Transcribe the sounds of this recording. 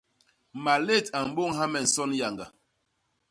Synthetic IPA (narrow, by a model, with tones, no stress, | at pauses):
ma˨le˦˨ta˨m̩˨bo˦˨ŋɦa˦mɛ˨n̩˨sɔ˦nja˨ŋɡa˨